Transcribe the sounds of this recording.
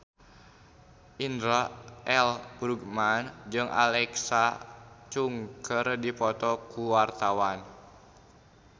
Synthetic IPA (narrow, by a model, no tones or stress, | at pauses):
ʔindɾaʔɛlburɡmand͡ʒɨŋʔa̰lɛksat͡ʃuŋkərdipɔt̪ɔkuwart̪awan